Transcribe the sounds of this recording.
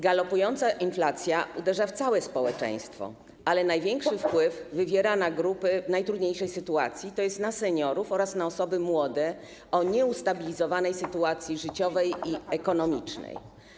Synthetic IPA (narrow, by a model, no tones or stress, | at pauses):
ɡalɔpujɔnt̪saʔinflat̪sʲjaud̪ɛʐaft̪sawɛspɔwɛt͡ʂɛ̰̃j̃st̪fɔ̰ | alɛnajvʲjɛŋkʂɘfpwɘvvɘvʲjɛɾanaɡɾupɘnajt̪ɾud̪ɲejʂɛjsɘt̪ua̰t̪sʲjit̪ɔjɛst̪nasɛɲɔɾufɔɾasnaɔsɔbɘmwɔd̪ɛ | ɔɲɛust̪abʲilʲizɔvanɛjsɘt̪uat̪sʲjiʐɘt͡ɕɔvɛjiɛkɔnɔmʲit͡ʂnɛ̰j